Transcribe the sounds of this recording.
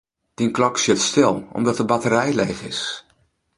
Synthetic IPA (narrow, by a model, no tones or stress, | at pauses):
d̥inklɔksɪtstɪlˠɔ̰mdɔtəbatərɛjlejχɪ̰s